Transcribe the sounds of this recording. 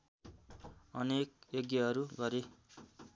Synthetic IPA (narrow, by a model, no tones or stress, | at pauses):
ʌnekjoɡjʌʌɾuɡʌɾe